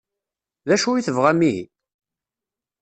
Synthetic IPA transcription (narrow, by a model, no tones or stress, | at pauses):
ðæʃuiθəvʁæmːiɦḭ